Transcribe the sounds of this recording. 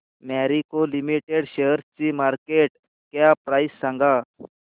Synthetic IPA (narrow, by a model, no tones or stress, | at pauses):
maɾikolimiʈeɽɕeɦəɾt͡ɕimaɾkeʈ | kjapɾajsːãŋɡa